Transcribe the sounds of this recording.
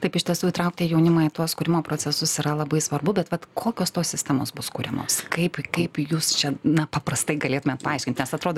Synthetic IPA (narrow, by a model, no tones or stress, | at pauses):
t̪ɐɪpɪʃt̪ʲiɛsuːɪt̪ɾɐʊk̚t̪ʲiːjɛʊnʲɪmɑːɪt̪uɔskʊːɾʲɪmoːpɾoːt͡sʲɛsʊsiɾɐlˠɐbɐɪsʋɐrbʊbʲɛt̪ʋɐt̪kʰoːkʲoːst̪oːssʲɪsʲt̪ʲɛmoːsbʊskuːɾʲɛmo̰ːskɐɪpkɐɪpjuːst͡ʃʲɛnɐpɐpɾɐst̪ɐɪɡɐlʲeːt̪ʊmʲeːt̪pɐɐˑɪʃʲkʲɪnʲt̪nʲɛsɐt̪ɾoːd̪o